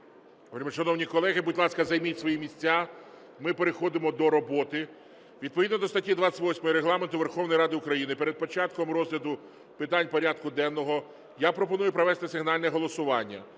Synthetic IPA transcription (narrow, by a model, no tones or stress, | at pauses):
ɔpɾʲmʃɐnɔwnʲikɔlˠɛɦɪbutʲlˠɑskɐzɐjmitʲsʋɔjimʲisʲt͡sʲa | mɪpeɾexɔd̪ɪmɔd̪ɔɾɔbɔt̪ɪ | ʋʲid̪pɔʋʲid̪nɔd̪ɔst̪ɐtʲid̪ʋɑt͡sʲɪtʲʋɔsʲmɔjiɾeɦlˠɑment̪ʊʋerxɔwnɔjɾɑd̪ɪʊkɾɐjinɪpeɾed̪̚pɔt͡ʃɑt̪̚kɔmɾɔzɦlʲɐd̪ʊ | pɪt̪ɑnʲpɔɾʲad̪̚kʊd̪ɛnːɔɦɔ | japɾɔpɔnujʊpɾɐʋɛst̪ɪsɪɦnɑlʲnɛɦɔlˠɔsʊʋɑnʲːɐ